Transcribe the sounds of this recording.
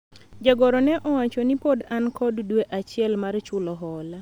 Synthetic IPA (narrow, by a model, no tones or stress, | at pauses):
d͡ʒaɡɔɾɔnɛʔɔwat͡ʃɔnipodankʰɔddweʔat͡ʃɪɛlmart͡ʃʊlɔɦɔla